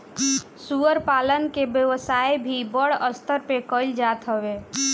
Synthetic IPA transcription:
suəɾpaːlənkebjəʋəsaːjbʱibəɽəst̪ʰəɾpekəɪld͡ʒaːt̪ɦəwe

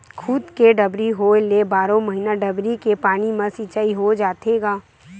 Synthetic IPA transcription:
kʰʊd̪keɖɐbɾiɦolebaːɾõmɐɦiːnaɖɐbɾikepaːɽ̃imãsiːt͡ʃaːiɦod͡ʒaːt̪eɡaː

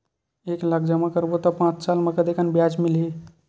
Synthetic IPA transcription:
eklakʰd͡ʒəmakəɾbot̪ɔpãt͡ʃsalmekəd̪ekanbjad͡ʒmilɦi

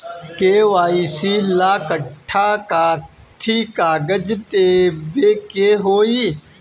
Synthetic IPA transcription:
keːʋaːiːsiːlaːkəʈʰːaːkaːt̪ʰiːkaːɡəd͡ʒt̪eːbeːkeːɦoːiː

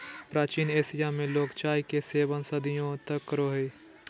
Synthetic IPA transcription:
pɾaːt͡ʃiːneːsɪjamẽloːkt͡ʃaːikeseːʋənsəd̪ɪjõt̪əkːəɾoːɦe

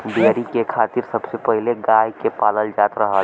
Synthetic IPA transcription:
beɾikekʰaːt̪iɾsəbsepəɦileɡaːjkepaːləld͡ʒaːt̪ɾəɦəl

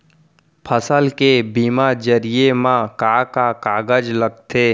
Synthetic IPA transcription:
pʰəsəlkebiːmad͡ʒəɾijemãkakakaːɡəd͡ʒləɡ̚t̪ʰeː

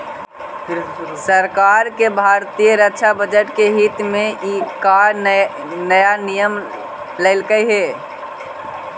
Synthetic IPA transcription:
səɾkaɾkebʱaɾt̪ijəɾəkːʃʰabəd͡ʒəʈkeɦit̪mẽʔikaɾ | nəjanijəm | ləɪlkəjɦe

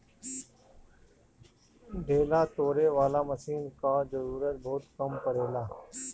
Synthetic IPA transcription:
ɖʱeːlaːt̪oːɾeːʋaːlaːməsiːnkaːzəɾuːɾət̪̚bʱɔːt̪kəmpəɾeːlaː

